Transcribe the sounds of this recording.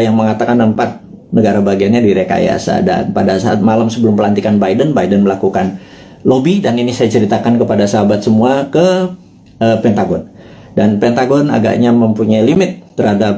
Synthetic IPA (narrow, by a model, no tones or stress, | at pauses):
jaŋməŋat̪akanəmpat̪̚nəɡaɾabaɡianɲadiɾeka̰j̰a̰sa̰da̰npadasaa̰t̪̚malamsəbəlʊmpəlant̪ikanbaidənbaidənməlakukan | lobidaninisajat͡ʃəɾit̪akankəpadasaɦabat̪̚səmuakə | əpɛnt̪aɡɔn | danpɛnt̪aɡɔna̰ɡa̰ʔɲaməmpuɲajlimɪt̪ːərhadap̚